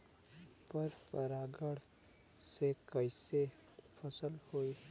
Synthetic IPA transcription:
pəɾpəɾaːɡəɽ | sekəɪse | fʰəsəlhoi

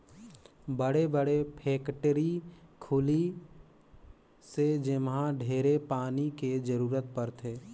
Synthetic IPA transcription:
bəɽebəɽepʰeːkʈəɾikʰʊli | sed͡ʒɪmɦãɖʱeːɾepaːniked͡ʒəɾuːɾət̪̚pəɾt̪ʰeː

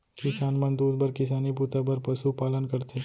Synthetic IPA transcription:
kɪsaːnmɐnd̪uːd̪bɐɾkɪsaːniput̪abɐɾpɐsupaːlənkɐɾt̪ʰeː

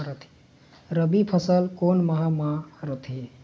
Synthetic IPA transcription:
ɾət̪ʰi̥ | ɾəbipʰəsəlkonməɦamaɾət̪ʰi

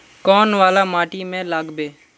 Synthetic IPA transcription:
kɔːnʋaːlaːmaːʈiːmẽːlaːɡbeː

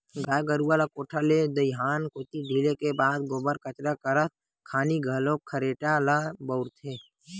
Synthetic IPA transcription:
ɡaːɡəɾuːalakoːʈʰaled̪əjɦaːnkoːt̪iɖʱiːlekebaːd̪̚ɡoːbəɾkət͡ʃɾakəɾət̪̚ | kʰaːniɡʱɐlõkʰəɾeːʈalabəʊɾt̪ʰeː

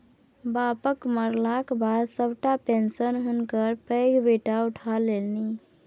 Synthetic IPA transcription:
bapəkməɾlakbad̪səbʈapensənɦunkəɾpəɪɡbeʈauʈʰalelni

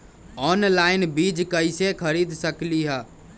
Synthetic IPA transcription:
ɔnlainbid͡ʒkəɪsekʰəɾid̪ʱsəkliɦə

